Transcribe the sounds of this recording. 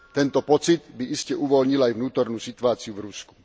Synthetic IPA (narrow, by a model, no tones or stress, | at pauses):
t̪ɛnt̪ɔpɔt͡sid̪biʔiscɛʔuʋɔlɲilajvnuːt̪ɔɾnuːsit̪uaːt͡sijuvɾusku̥